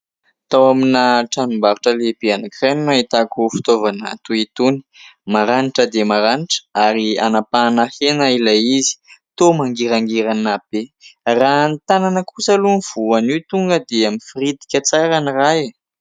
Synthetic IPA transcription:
t̪awaminaʈ͡ʂanumbaɾuʈ͡ʂəlebianakrennait̪akufi̥t̪ovana̰t̪uit̪uni̥maɾaniʈ͡ʂəd̪emaɾaniʈ͡ʂə̥aɾianapanahenailaizi̥t̪omaŋɡiɾaŋɡiɾanab̥erant̪ananəkusəluniv̥uanit̪uŋɡəd̪eamifirid̪i̥kʲət͡saɾaniraje

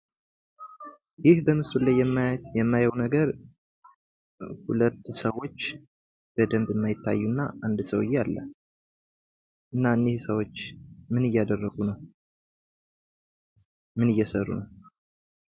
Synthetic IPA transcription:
jɪhbəmɨsulajjɛmːajəwnəɡəɾ | hulət̪ːsəwo̞t͡ʃː | b̥əd̪əmbɪmːajɪt̪ʰːa̰jːunːa̰ʔand̪səwɨ̰jːɛalːə̰ | ʔɨnːaɨnːehsəwo̞t͡ʃːmɨnɨjːad̪ərːəɡunəw | mɨnɨjːɛsərːṵnəw

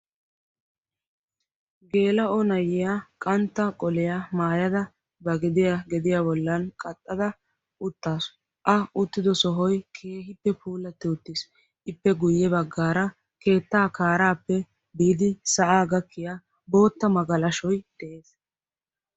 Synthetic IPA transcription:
ɡe̞ːlɐɔnɐjːɪjakʼɐnt̪ːɐkʼɔlɪjamaːjɐd̪ɐ | bɐɡɛd̪ɪjaɡɛd̪ɪjaːbɔlːɐnkʼɐt̪ʼːɐd̪ɐ | ʔʊt̪ːaːs | ʔɐʊt̪ːɪd̪ɔsɔɦɔjkʰe̞ːɦɪpːɛpʰuːlɐt̪ːɪʊt̪ːɪs | ʔɪpːɛɡʊjːɛbɐɡːaːɾɐ | ke̞ːt̪ːaːkaːɾaːpːɛ | biːd̪ɪsɐʔaːɡɐkʰːɪja | bo̞ːt̪ːɐmɐɡɐlɐʃɔjd̪̥ɛʔe̞ːs

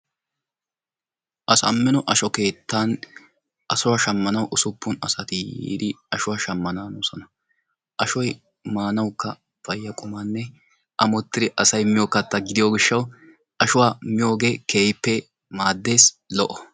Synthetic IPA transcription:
ʔɐsɐmːɪnɔʔɐʃɔke̞ːt̪ːaːn | ʔɐsʊwaːʃɐmːɐnɐwʔʊsʊpːʊnɐ̰sɐt̪ɪjḭːd̪ɪɐʃʊwaːʃɐmːɐnaːnɔsɔnɐ | ʔɐʃɔj | maːnɐwkːɐ | fɐjːɐkʼʊmanːɛ | ʔɐmɔt̪ːɪd̪ɪʔɐsɐjmɪjoːkːɐt̪ːɐɡɪd̪ɪjoːɡɪʃːɐw | ʔɐʃʊwaːmɪjo̞ːɡe̞ːkʰe̞ːjɪpːɛ | maːd̪ːe̞ːs | lɔʔɔ

